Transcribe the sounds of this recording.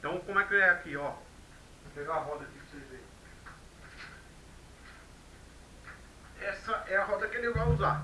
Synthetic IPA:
t̪ɐ̃w̃kõmʊɛkɪɛjakiɔ | peɡaɦɔd̪ɐd͡ʒivoseve | ɛsɐʔɛɐɦɔd̪ɐkenẽwvauza

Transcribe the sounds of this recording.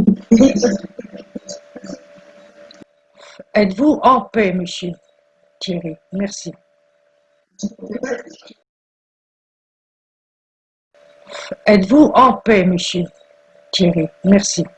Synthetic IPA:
ɛt̪vuʔɑ̃pɛməsjø | t̪jeʁimɛʁsi | ɛt̪vuʔɑ̃pɛməsjø | t̪jeʁimɛʁsi

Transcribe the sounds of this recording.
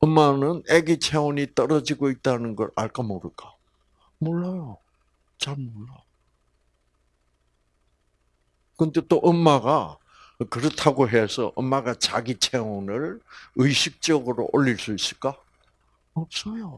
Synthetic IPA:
ʌmːanɯneɡit͡ɕʰewoɲit͈ʌɾʌd͡ʑiɡoit̚t͈anɯnɡʌɾaɭk͈amoɾɯɭk͈a | moɭːajo | t͡ɕaɭmoɭːa | kɯnde̞t͈oʔʌmːaɡa | kɯɾʌtʰaɡoɦesʰʌ̰ʔʌmːaɡat͡ɕa̰ɡit͡ɕʰeonɯɭɯjɕʰik̚t͡ɕ͈ʌɡɯɾo̰ʔoʎːiɭs͈uis͈ɯɭk͈a | ʌp̚s͈ʌjo

